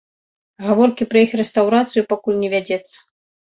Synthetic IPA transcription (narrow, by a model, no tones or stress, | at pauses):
ɣavɔrkʲipɾɐixrɛst̪awɾat̪sɨjupakulʲnʲɛvʲad͡zʲɛt̪sːɐ̥